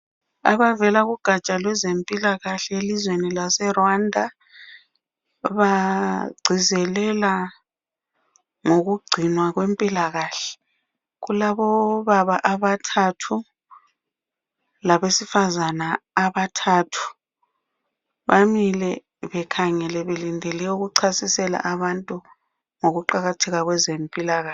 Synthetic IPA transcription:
a̰βavɛlaɣuɡ̥ʱat͡ʃʼalwɛzempʼilaɣaɬɛelizwenilasɛrwandʱa | βaɡ͡ǀʱizɛlɛla | ŋoɣuɡ͡ǀʱinwaɣwempʼilaɣaːɬɛ̥ | ɣulaβɔβaβaʔaβatʰatʰu | laβesifazanaːβatʰaːtʰu̥ | βamilɛ | βɛkʰaŋɛlɛβelindʱɛlɛuɣuǀʰasisɛla̰ʔaβantʼu | ŋoɣuǃaɣatʰɛɣaɣwɛzempʼilaɣa

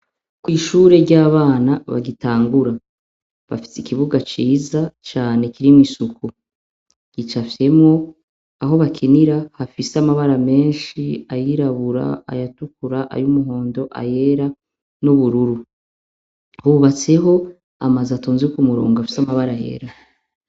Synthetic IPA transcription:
kwiːʃuːɾe̞ɾɟaːβaːnaβa̰ɡitaːŋɡuɾa | βa̰fi̥sikiβuɡat͡ʃiːzat͡ʃaːne̞kiɾimisuku | ɡ̥it͡ʃafe̞mŋo̞ | aɦo̞βakʰiniɾahafiseamaβaɾame̞ːnʃiajiɾaβuɾa̰a̰jatukuɾaʔa̰jumuɦo̞ːndo̞ʔa̰je̞ɾa | nuβuɾuɾu | huβat͡se̞ɦo̞ | a̰mazatuːnziukumuɾo̰ːŋɡaafi̥samaβaɾaje̞̰ːɾa

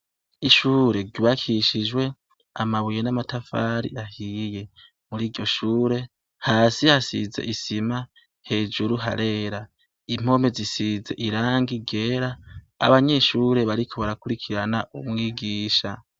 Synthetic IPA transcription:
iʃuːɾe̞ɟuβakʰiʃid͡ʒwe̞ | a̰maβujenamatafaɾḭahije̞ | muɾiːɟo̞ʃuːɾe̞ | haːsihasḭze̞̰ʔisima | he̞ːd͡ʒuɾuɦa̰ɾe̞ːɾa | im̥o̞me̞zisize̞̰ʔiɾaːŋɡiɡe̞ːɾa̰ː | βaɲe̞ʃuːɾe̞βaɾikʰo̞βaɾakuɾikʰiɾanaʔumŋiːɡiːʃa

